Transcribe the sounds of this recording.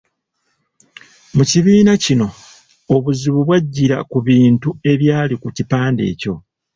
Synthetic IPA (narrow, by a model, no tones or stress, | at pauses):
muciβiːnacino̞ | oβuziβuβwaɟːiɾakuβiːntue̞βjaːlikucipaːnde̞̰ːco̞